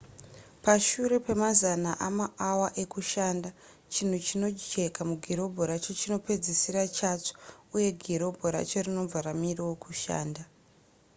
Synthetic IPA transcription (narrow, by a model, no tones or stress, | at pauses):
paʃuɾe̞pe̞mazanaʔamaawaʔe̞kuʃaːnda | t͡ʃin̤ut͡ʃino̞t͡ʃekamuɡʱiɾo̞bʱoɾat͡ʃot͡ʃino̞pe̞d͡zisiɾat͡ʃat͡ʂo̥uje̞ɡʱiɾo̞bʱoɾa̰t͡ʃo̞rino̞b͡vaɾamiriwokuʃa̰ːnda